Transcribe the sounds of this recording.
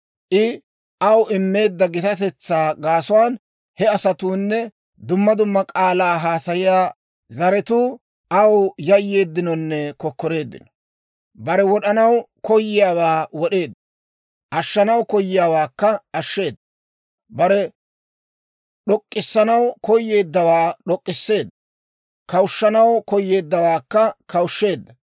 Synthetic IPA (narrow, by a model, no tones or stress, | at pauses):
ʔɪ | ʔɐwɪmːe̞ːd̪ːɐɡɪt̪ɐt̪ɛt͡sːaːɡaːsʊwaːn | hɛɐsɐt̪uːnːɛ | d̪ʊmːɐd̪ʊmːɐkʼaːlaːɦaːsɐjɪjaː | zɐɾɛt̪uː | ʔɐwjɐjːe̞ːd̪ːɪnɔnːɛkɔkːɔɾe̞ːd̪ːɪ̰nɔ̥ | bɐɾɛwɔɗɐnɐwkɔjːɪjaːwaːwɔɗe̞ːd̪ːɐ | ʔɐʃːɐnɐwkɔjːɪjaːwaːkːɐɐʃːe̞ːd̪ːɐ | bɐɾɛ | ɗɔkʼːɪsːɐnɐwkɔjːe̞ːd̪ːɐwaːɗɔkʼːɪsːe̞ːd̪ːɐ | kɐwʊʃːɐnɐwkɔjːe̞ːd̪ːɐwaːkːɐkɐwʃːe̞ːd̪ːɐ